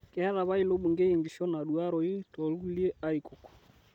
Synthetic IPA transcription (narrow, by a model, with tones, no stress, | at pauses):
kɛ˨hɛ˦ɾa˨βa˦i˨lo˦ɓu˨ŋɡe˦e˨ŋɡi˨ʃɔ˦na˨ɗu˨a˦ɾɔ˨i˦tɔ˨lu˦u˦li˦ɛ˦a˦i˨ko˨kɔ̥˨